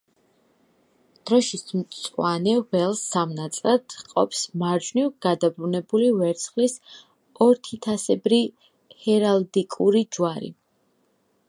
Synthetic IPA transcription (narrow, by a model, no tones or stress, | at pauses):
d̪̥ɾɔʃismt̪sʼwanɛʁɛlˠsamnat̪sʼlad̪̥qʼɔ̰pʰsmaɾd͡ʒnivɡ̥ad̪abɾunɛbulivɛɾt̪sʰχlis | ɔɾt̪ʰit̪ʰasɛbɾi | hɛɾald̪ikʼuɾid͡ʒwaɾḭ